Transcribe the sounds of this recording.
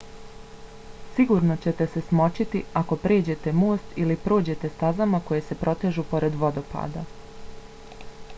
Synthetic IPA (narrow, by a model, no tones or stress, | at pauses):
siɡuɾnot͡ɕe̞t̪e̞se̞smo̞t͡ɕit̪iako̞pɾe̞ːd͡ʑe̞t̪e̞mo̞ːst̪ilipɾo̞ːd͡ʑe̞t̪e̞st̪azamako̞je̞se̞pɾo̞t̪e̞ʒupo̞ɾe̞d̪ʋo̞d̪o̞pa̰ːd̪a̰